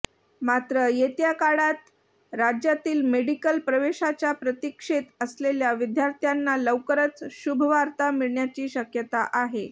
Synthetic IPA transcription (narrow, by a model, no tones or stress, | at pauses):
mat̪ɾəjet̪jakaɽat̪ | ɾad͡ʑjat̪iːlmeɽikəlpɾəʋeɕat͡ɕjapɾət̪ikʂet̪əsleljaʋid̪jaɾt̪ʰjanːaləwkəɾət͡sɕubʱəʋaɾt̪amiɭɳjat͡ɕiːɕəkjət̪aʔaɦe